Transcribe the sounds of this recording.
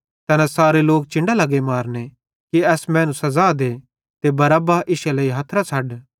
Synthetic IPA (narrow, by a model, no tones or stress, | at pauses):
t̪ɐnɛ̃saːɾeloːk̚t͡ʃɪ̃ɳɖalɐɡemaːɾne | kiɛːsmɛ̃ːnũsɐzaːd̪e | t̪ebɐɾabaːʔɪʃelɐiɦɐt̪ʰɾat͡sʰɐɖ